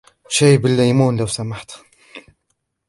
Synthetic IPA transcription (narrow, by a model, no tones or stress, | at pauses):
ʃeːbɪlːajmuːnlawsamaħt̪